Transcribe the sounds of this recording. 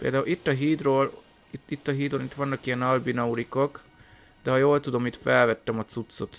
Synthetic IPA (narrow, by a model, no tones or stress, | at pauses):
pḛːld̪aːulit̪ːɒɦiːd̪roːl | it̪ːit̪ːɒɦiːd̪onit̪ʋɒnːɒkijɛnɒlbinɒuɾiko̞k | d̪̥ɛɦɒjoːlt̪ud̪o̞mit̪fɛlvɛt̪ːɛmɒt̪sut̪so̞t̪